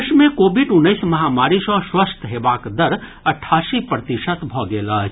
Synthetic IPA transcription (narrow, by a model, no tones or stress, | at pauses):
ʃmekoːbiɖʊnːəɪsmɐɦamaːɾisɔ̃swəst̪ʰɦebaːkd̪əɾ | əʈʰːaːsipɾət̪iʃət̪bʱɔɡela